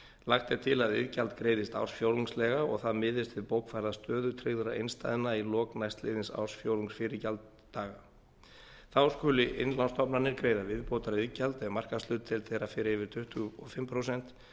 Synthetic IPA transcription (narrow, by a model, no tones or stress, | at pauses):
laxt̪ɛɾt̪ʰɪlaðɪ̰ðcalt̪kɾeːjðɪst̪a̰wrsfjowluŋslɛɣaɔ̰ɣθaðmɪːðɪst̪vɪðpoːwkfajɾðast̪œːðʏt̪ʰɾɪɣðʏɾaejnst̪a̰jðɪnailɔːknajst̪lɪ̰ːðɪnsa̰wsfjoːwluŋsfɪːɾɪcalt̪ːaːɣa | θaskʰʏːlɪʔɪnlanst̪ʰɔpnanɪɾkɾejðavɪðpowt̪aɾɪðcalt̪ɛvmar̥kast̪ʏːt̪t̪ʰɪlθejɾafɪːɾɪɪvɪɾ̥t̪ʰʏht̪ʏɔfɪmːpʰɾowsɛn̥t̪